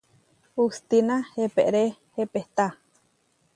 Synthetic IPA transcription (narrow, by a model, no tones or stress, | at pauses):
ust̪inahepḛʔɾehepeht̪a